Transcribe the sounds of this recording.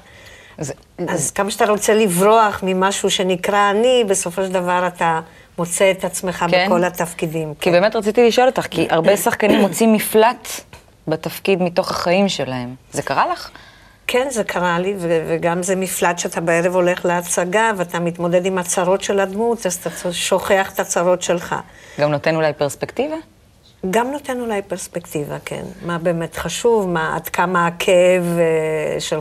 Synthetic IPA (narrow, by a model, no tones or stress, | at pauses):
z | azkamaʃat̪aʁo̞t͡se̞livʁo̞aχmimaʃuʃe̞nikʁaːnibe̞so̞fo̞ʃeld̪avaʁat̪a | mot͡seːt̪at͡sme̞χakbeko̞lat̪afkidimkibbemet̪ʁat͡sit̪iliʃo̞lot̪aχkiʔaʁbe̞saχkanimːo̞t͡simiflat | bet̪afkid̪mito̞χaχaimʃelahe̞mzekaʁalaχ | kʰe̞nze̞kʰaʁaliveveɡamzemiflatʃeatabeeʁevo̞le̞χleat͡saɡaveatamit̪mo̞de̞d̪imat͡saʁo̞tʃe̞lad̪mutazat̪aoʃo̞χe̞aχe̥t̪at͡saʁo̞tʃe̞lχa̰ɡamnot̪enulajpeʁspektiva | ɡamnote̞nulajpeʁspe̞ktiva̰kʰe̞̰nmabeːme̞tχaʃuvmaa̰d̪kamaːkʰeeveʃel